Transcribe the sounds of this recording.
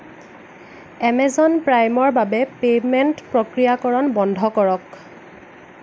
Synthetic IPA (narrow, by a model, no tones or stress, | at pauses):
ɛmɛzɔnpɹajmɔɹbabɛpemɛntpɹokɹijakɔɹɔnbɔndʱɔkɔɹɔk